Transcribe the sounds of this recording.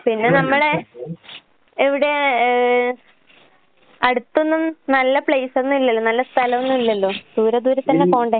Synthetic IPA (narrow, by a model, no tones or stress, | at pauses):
pinːe̞nɐmːɐɭe | eʋiɽe̞ | ɐɽut̪ːunːunɐlːɐpɭejsonːumilːɐlːonɐlːɐst̪ʰɐlɐmonːumilːɐlːo̞ːd̪̥uːɾɐd̪uːɾɐt̪ːɐnːeko̞ːɳɖe